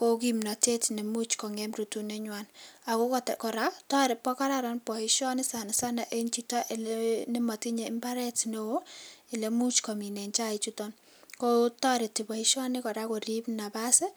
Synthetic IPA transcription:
ko˦kimna˨te˦tne˨mu˦t͡ʃkɔ˨ŋɛ˦mru˨tu˨ne˦ɲwana˨ko˦kɔtkɔ˨ɾa˦ktɔ˦ɾɪ˨pːɔ˦ka˦ɾa˦ɾanpɔ˨iʃɔ˦nɪ˦sa˨n˨sa˦na˨ʔe˦ɲt͡ʃita˦ʔɪ˨lne˦ma˨ti˦ɲe˨ɪ˦mba˦ɾɛtne˦wo˦ɪ˨le˨mu˦t͡ʃkɔ˨mi˨ne˨ɲt͡ʃa˦i˨t͡ʃu˦tɔ˦n | ko˦tɔ˦ɾɪ˨ti˨pɔ˨i˦ʃɔ˦nɪ˦kɔ˨ɾa˦ko˨ɾipna˨basɛ˦

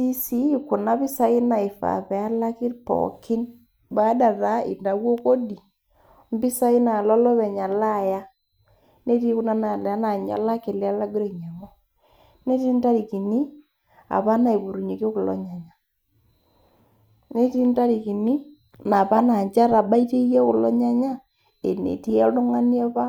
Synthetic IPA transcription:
i˦si˦˨kʊ˨na˦bi˦sa˦i˦na˨ɪ˨fa̰˨pɛ˨a˦la˦kɪ˦ɾpɔ̰˨kɪ˦n | ba˦da˨ta˨˦ɪ̰˨nda˨wo˦ko˦di˨ | m̩˦bi˦sa˦i˦na˨lɔ˦lɔ˦βɛ˨ɲa˨la˦˨ja˦ | ne˦ti˦kʊ˦na˦na˨la˨˦na˨ɲa̰˨la˦ke˨lɪ˦a˦la˦ɡʊ˦ɾi˨ɲɛ˨mɔ˦ | ne˦ti˦n˦ta˦ɾi˨ki˨ni˦ | a̰˨pa˦na˨i˨bu˨ɾu˨ɲi˨ke˦kʊ˨lɔ̰˦ɲa˨ɲa˦ | ne˦ti˦n˦ta˦ɾi˨ki˨ni˦ | na˨pa˦na˨ɲt͡ʃa˦ɾa˨ɓa˦i˦te˦je˦kʊ˨lɔ˦ɲa˦ɲa˦ | e˨nḛ˨ti˦a˦lʊ˦ŋa˦ni˦a˦pa˦

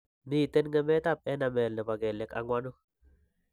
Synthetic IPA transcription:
mi˦˨t̪ɛ˦nŋɛ˦mɛ˦t̪a˦˨p̚ɛ˦na˨mɛ˨lnɛ˨ba˨ɡɛ˨lːɛ˨ka̰˨ŋwa˦nʊ˦

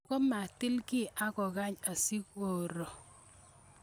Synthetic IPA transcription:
kɔ˦ma˨tɪ˦lki˦˨ʔa˦kɔ˨ka˦ɲa˨si˦ko˨ɾɔ˨

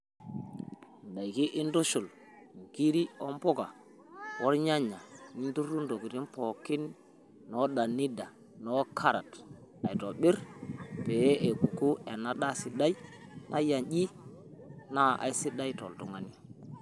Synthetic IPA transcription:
n˨da˨jki˦ʔi˦ndo˦ʃu˨l | ŋ˨ki˦ɾi˦o˦mpo˦ɡa˨ | wo˦ɾɲa˦ɲa˨ni˦ndu˦ɾu˦ndo˨ɡi˨ɾi˦mpo˨kːi˦n | no˦ɗa˨ni˦da˨ | no˦kʰa˦ɾa˨ta˨jto˨ɓi˦ɾte˨je˦ʔe˨ku˨ku˦e˨na˦ɗa˦si˨da˦jnʔa˦ja˨nɟi˦ | na˦ʔa̰˨jsi˦da˦jto̰˨ltu˨ŋa˨ni˦

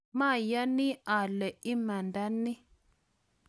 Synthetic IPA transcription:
ma˦˨ja˦ni˦a˨lɛ˨i˦ma˨nda˦nːi˦

